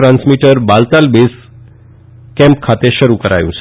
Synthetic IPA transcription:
ɾãnsmiʈəɾbalt̪albes | kɛ̃mp̚kʰat̪eʃəɾukəɾa̰jṵ̃t͡ʃʰ

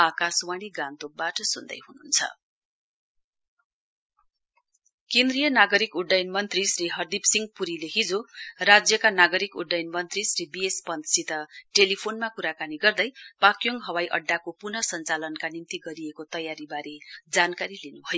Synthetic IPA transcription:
akasuwaɽ̃iɡant̪obaʈʌsund̪ʌ̰jɦununt͡sʰʌ̰ | kend̪rijʌnaɡʌɾikuɖːajnmʌnt̪risriɦʌrd̪ipsiŋɡpuɾileɦid͡zorad͡zjʌkanaɡʌɾikuɖajnmʌnt̪risribiespʌnd̪sit̪ʌʈelipʰonmakuɾakaniɡʌrd̪ʌjpakjoŋɡɦʌwajʔʌ̰ɖːakopunʌsʌnt͡salʌnkanint̪iɡʌɾiekot̪ʌjaɾibaɾʔed͡zankaɾilenubʱʌjo

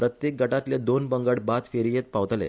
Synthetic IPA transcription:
pɾət̪jek̚ɡʱəʈat̪ljed̪onbəŋɡəɽbat̪feɾijet̪̚paʋt̪lḛ

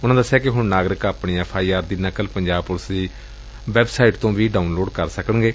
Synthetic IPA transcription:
ʊnãːd̪əsːejaːkɪɦʊɳnaːɡɾɪkaːpɳiːɛːpʰaːiːaːɾd̪iːnəkəlpəɲd͡ʒaːb̚pʊləsd̪iː | ʋɛːbsaːiʈt̪õːʋiːɖaːunloːɖkəɾsəkənɡeː

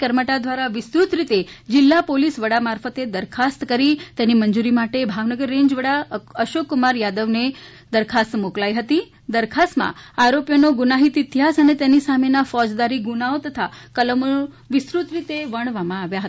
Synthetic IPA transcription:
kəɾməʈad̪ʋaɾaʋɪsɾut̪ɾit̪ed͡ʒɪlːapolisʋəɽamaɾfət̪ed̪əɾkʰast̪kəɾit̪enimənd͡ʒuɾimaʈebʱaʋnəɡəɾːẽɲd͡ʒʋəɽaəʃokːumaɾjad̪əʋne | d̪əɾkʰast̪moklaiɦət̪i | d̪əɾkʰast̪mã̰aɾopjənoɡunaɦit̪ɪt̪iɦasənet̪enisamenafɔd͡ʒd̪aɾiɡunaot̪ət̪ʰakələm | ʋɪsɾut̪ɾit̪eʋəɳ̃ʋamãaʋjaɦət̪

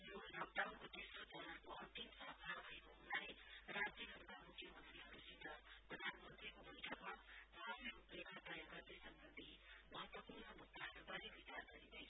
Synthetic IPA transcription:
jonʌmt̪awnkot̪esrod͡zʌnakoʌnt̪imsʌbʰʱabʱʌekoɦunalerad͡zt̪iɦʌɾukamukʰjʌmʌnt̪riɦʌɾusid̪ʌprʌd̪ʱanmʌnt̪rikobʱʌiʈʰʌkmabʱaɦasiupekad̪ajʌɡʌrd̪esʌmbʌnd̪ʱimʌɦʌt̪wʌpurɳʌmuɡd̪aɦʌɾubʌɾibʱit͡sarɡʌɾid̪ʌjʰ

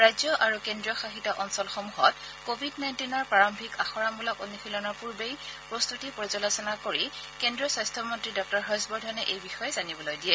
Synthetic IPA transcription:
ɹajzjɔʔaɹukendɹijɔxaxitɔʔɔnsɔlxɔmuɦɔt | kobʱidnajntinɔɹpɹaɹɔmbʱikaxɔɹambulɔkonixʰilɔnɔɹpuɹbejpɹɔst̪utipɔɹizɔlasɔnakoɹi | kendɹiɔsajstʰɔmɔntɹidɔk̚tɔɹɦɔsbɔɹdʱɔnɛʔejbixɔjɛzanibɔlojdijɛ

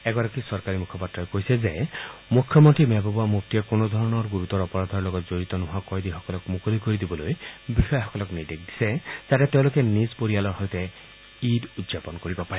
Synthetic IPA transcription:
ɛɡɔɾakisɔɹkaɹimukʰɔpatɹɔjkojsɛzemukʰjɔmɔntɹimɛbɔbɔamuk̚t̪iɛkonɔd̪ʱɔɹɔnɔɹɡuɹut̪ɔɹɔpɔɹad̪ʱɔɹlɔɡɔtzoɹit̪ɔnɔɦakɔjdixɔkɔlɔkmukolikoɹid̪ibɔlojbixɔjɔxɔkɔlɔknid̪ek̚d̪i̥sɛzatɛteʊ̃lokɛnispoɹijalɔɹhɔjtɛ | idudzapɔnkoɹibɔpaɹɛ

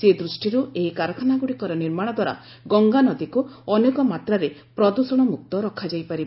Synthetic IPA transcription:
sed̪ɾusʈiɾueɦikaɾɔkʰanaɡuɽikɔɾɔniɾmaɽ̃ɔd̪waɾa̰ | ɡɔŋɡanɔd̪ikuɔnekɔmat̪ɾaɾepɾɔd̪usɔɽ̃ɔmuk̚t̪ɔɾɔkʰad͡ʒajpaɾib

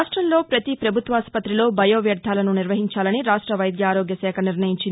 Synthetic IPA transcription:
ʂʈɾɐmlo̞ːpɾɐt̪ipɾɐbʱut̪ʋaːspɐt̪ɾilo̞ːbʱɐjoːʋjɐɾd̪ʱaːlɐnuniɾʋɐɦiɲt͡ʃaːlɐniɾaːʂʈɾɐʋɐjd̪jaːɾoːɡjɐsɛːkʰɐniɾnɐjiɲt͡ʃin

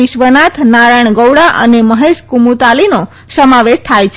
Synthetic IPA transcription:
ɪʃʋənat̪ʰnaɾaɳ̃ɡəwɽaʔə̰neməɦeʃkumut̪alino | səmaʋeʃt̪ʰajt͡ʃʰ

